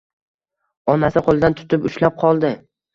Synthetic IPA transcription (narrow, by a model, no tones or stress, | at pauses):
ɒnasɪqʰolˠd̪ant̪ʰʊ̥t̪ʰɪpʊʃlap̚qʰɒlˠd̪ɪ